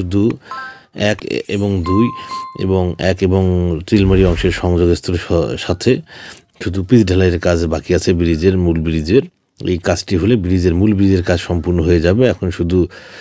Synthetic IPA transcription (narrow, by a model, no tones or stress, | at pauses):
ʃud̪ʱu | ɛkḛboŋd̪ujḛboŋɛkeboŋtɾilmaɾiɔŋʃeɾʃɔŋd͡ʑoɡest̪oɾʃat̪ʰe | ʃud̪ʱupit̪ɖʱalaeɾkad͡ʑbakiat͡ɕʰebiɾid͡ʑeɾmulbiɾid͡ʑeɾ | ḛjkad͡ʑʈiɦolebiɾid͡ʑeɾmulbiɾid͡ʑeɾkad͡ʑʃɔmpuɾnoɦoed͡ʑabeɛkʰonʃud̪ʱu